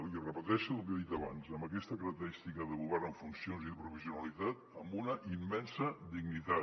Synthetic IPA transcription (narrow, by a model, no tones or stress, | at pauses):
liərəpət̪ɛʃəukeðit̪əβa̰nzəmbəkɛst̪əkəɾək̚t̪əɾist̪ikəðəɣuβɛɾnəɱfunsionziðəpɾufiziunəlit̪at̪əmbunəʔimːɛnsəd̪iɡnit̪a